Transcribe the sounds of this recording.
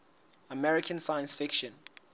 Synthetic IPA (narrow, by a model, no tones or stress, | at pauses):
əmɛɹikʰə̃nsajə̃nsfɪkʃɔ̃n